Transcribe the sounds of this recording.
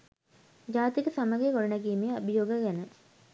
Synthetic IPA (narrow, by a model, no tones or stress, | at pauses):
d͡ʒaːt̪ikəsaməɡekoɽənɐkiːmeabijoːɡəɡænə